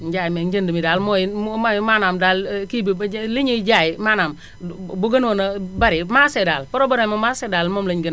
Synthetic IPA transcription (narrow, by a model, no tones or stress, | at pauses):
nd͡ʒajmend͡ʒəndimidalmojimamanamdalkibliɲid͡ʒajimanam | boɡənwonabaɾimasedalpɔɾobaɾemomasedalmomliɲɡən